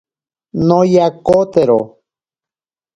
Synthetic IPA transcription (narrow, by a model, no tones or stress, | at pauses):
nojakot̪eɾo